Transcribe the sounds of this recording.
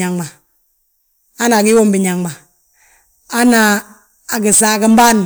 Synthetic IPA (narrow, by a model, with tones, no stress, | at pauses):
a˨ŋma˨ | a˦na˨ki˦wo˦mbi˨ɲa˨ŋma˨ | a˦naː˨ | ki˨sa˦˨kə˦m˦ba˦n